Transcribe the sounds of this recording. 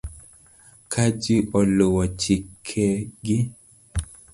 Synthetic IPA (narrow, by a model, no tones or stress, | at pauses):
kʰad͡ʒiʔɔlowɔt͡ʃikʰɛɡi